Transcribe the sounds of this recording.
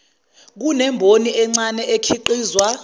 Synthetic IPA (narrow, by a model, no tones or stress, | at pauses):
k̬unɛmbʱoniʔɛŋ͡ǀanɛʔekʰiǃiːzwa